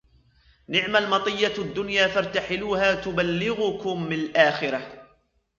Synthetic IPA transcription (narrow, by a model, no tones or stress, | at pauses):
nɪʕmalmɑt̪ˤɨjːad̪ːʊnjaːfɑɾˤt̪aħɪluːhaːt̪ʊbalːɪɣʊkʊmːɪnalʔaːxɪɾa